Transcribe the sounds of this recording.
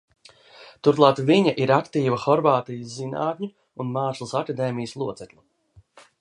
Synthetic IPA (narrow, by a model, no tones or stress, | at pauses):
t̪uɾtlˠaːt̪viɲaʔiɾakt̪iːvɐxɔɾvaːt̪ijəszina̰ːt̪ʲɲʲu | unmaːslˠsakad̪eːmijəslˠuɔt̪sɛklˠu